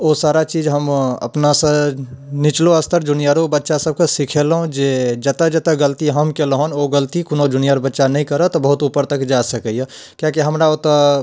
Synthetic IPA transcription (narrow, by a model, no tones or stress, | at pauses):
osaːɾat͡ʃiːd͡ʒɦəmɐ̰pnasə̃nɪt͡ʃloəst̪ʰəɾd͡ʒʊnijaɾobətːʃasəb̚kesikʰelɦõd͡ʒed͡ʒət̪əd͡ʒət̪əɡəlt̪iɦəmkelɦonoɡəlt̪ikʊnod͡ʒʊnijaɾbətːʃanəĩkəɾət̪obəɦʊt̪upəɾt̪əkd͡ʒasəkəje | kjakiɦəmɾaot̪ə